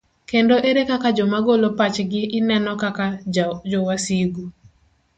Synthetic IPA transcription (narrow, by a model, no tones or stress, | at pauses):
kendoʔeɾekakad͡ʒɔmaɡolopat͡ʃɡɪʔɪnɛnɔkakad͡ʒɔwasiɡu